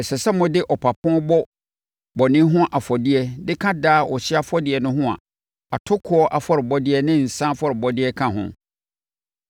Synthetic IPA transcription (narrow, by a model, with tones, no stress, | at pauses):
ɛ˨sɛ˨sɛ˦mʊ̃˦dɪ˦ʔɔ˨pʰa˨pʰɔ̃˦bɔ˦ | bɔ˨nɪ̃˦ɦʊ̃˦ʔa˨fɔ˨dɪ˦ɛ˦dɪ˦kʰã˦daː˦˨ʔɔ˨ɕɪ˦a˦˨fɔ˦dɪ˨ɛ˨nʊ̃˦ɦʊ̃˦a̰˨ | a˨tʰʊ˦kʰʊ˦ɔ˦ʔa˨fɔ˦ɾɪ˨bɔ˦dɪ˦ɛ˦nɪ̃˦n̩˨sã˦fɔ˦˨ɾɪ˨bɔ˦dɪ˦ɛ˦kʰã˦ɦʊ̰̃˨